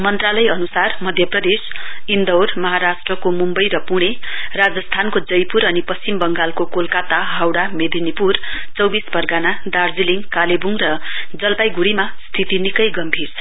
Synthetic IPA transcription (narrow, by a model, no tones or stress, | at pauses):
mʌnt̪ralʌjʌnusarmʌd̪ʱjʌprʌd̪esind̪ʌwrmʌɦaɾasʈrʌkomumbʌjɾʌpuɽ̃erad͡zʌst̪ʰankod͡zʌjpuɾʌnipʌst͡simbʌŋɡalkokolkat̪aɦawɽamed̪inipurt͡sʌwbisbʱʌrɡanad̪ard͡ziliŋkalebuŋrʌd͡zʌlpajɡuɽimast̪ʰit̪inikʌjɡʌmbʱirt͡sʰʌ